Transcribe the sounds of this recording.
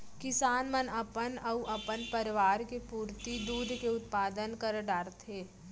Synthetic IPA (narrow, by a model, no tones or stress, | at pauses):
kɪsaːnmɐnɐpənɐuʔɐpənpɐɾɪʋaːɾkepuːɾt̪id̪uːd̪ʱkeʊt̪paːd̪ənkɐɾɖaːɾt̪ɦeː